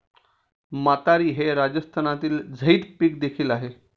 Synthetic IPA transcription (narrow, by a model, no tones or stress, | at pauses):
mat̪aɾiːɦeɾad͡ʑəst̪ʰanat̪iːld͡zʱəiːt̪piːk̚d̪ekʰiːlaɦe